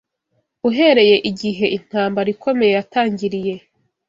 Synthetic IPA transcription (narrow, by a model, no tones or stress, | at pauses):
uɦe̞ɾe̞je̞ʔiɟiɦe̞ʔin̥haːmbaɾikʰo̞me̞je̞jataːɲɟiɾije̞